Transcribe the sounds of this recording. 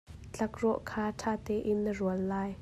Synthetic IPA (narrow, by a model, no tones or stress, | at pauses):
t͡ɬɐk̚rɔʔkʰaːtʰaːt̪ɛːʔɪnːəruəlːaːj